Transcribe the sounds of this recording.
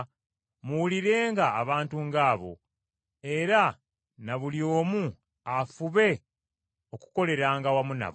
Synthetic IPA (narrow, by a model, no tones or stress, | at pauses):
muwuliɾe̞ːŋɡaːβaːntuŋɡaːβo̞̰ | e̞ɾa | naβuljo̞ːmu | afuβe̞ | o̞ku̥ko̞le̞ɾaŋɡawamuna̰β